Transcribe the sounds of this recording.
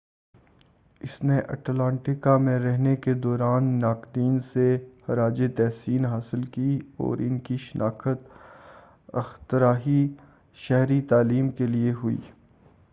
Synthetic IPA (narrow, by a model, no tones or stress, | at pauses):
ɪsneʔɐ̰ʈlãːɳʈɪkamẽɾɛɦneked̪ɔːɾaːnːaːkd̪iːnsehɐɾaːd͡ʒet̪ɛːsiːnɦaːsɪlkiɔ̰ːɾɪnkiʃɪnʔaːkət̪ | ɐ̰xt̪ɪɾaːɦi | ʃɛɦɾit̪aːliːmkelieɦʊḭː